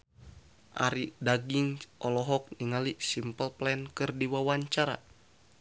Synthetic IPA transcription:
ʔa̰ɾidaɡiŋʔɔlɔɦɔk̚niŋalisimpəlplɛnkɨrdiwawaɲt͡ʃaɾa̰

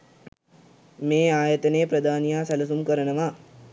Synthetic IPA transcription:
meːaːjət̪ənejpɾəd̪ʱaːnijaːsælus̬umkəɾənəʋa

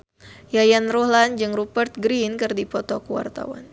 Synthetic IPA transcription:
jajanrɔhland͡ʒɨŋrupərt̪̚ɡɾinkɨrdipɔt̪ɔkuwa̰rt̪a̰wa̰n

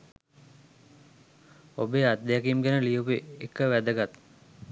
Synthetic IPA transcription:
obead̪ːejakimɡenəlijupeekːəʋæd̪əɡat̪

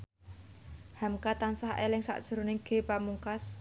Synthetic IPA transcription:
hamkat̪ansahḛlɪŋsa̰ʔd̥ʒ̥ə̤ɾo̤nɪɡ̥e̤pamuŋkas

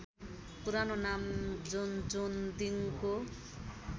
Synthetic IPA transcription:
puɾanonamd͡zond͡zond̪iŋko

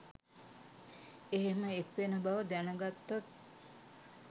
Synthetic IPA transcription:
eɦeməekʋenəbaʋəd̪ænəɡat̪ːat̪̚

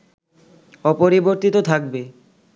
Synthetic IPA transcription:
ɔpoɾiboɾt̪it̪ot̪ʰak̚be

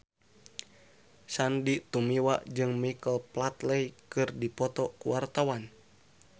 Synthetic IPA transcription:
sandiʔt̪umiwa̰ʔd͡ʒɨŋmikəlplat̪lɛjkɨrdipɔt̪ɔkṵwart̪awan

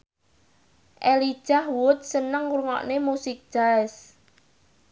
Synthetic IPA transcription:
ʔeli̥ʒ̥ahwʊt̪̚sənəŋuɾŋɔ̰ʔnemusɪk̚d̥ʒ̥aɪs

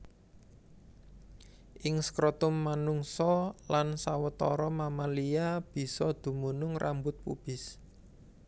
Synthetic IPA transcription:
ʔɪŋskɾot̪ʊmːanuŋsɔlansawət̪ɔɾɔmamalijab̥i̤sɔd̪̥ṳmunʊŋrʔa̰mbʊt̪̚pṵb̥ɪ̤s

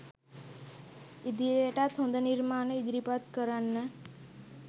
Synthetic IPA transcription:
id̪ieʈat̪ʰõnd̪əniɾmaːnəid̪ɾipat̪kəɾanːə

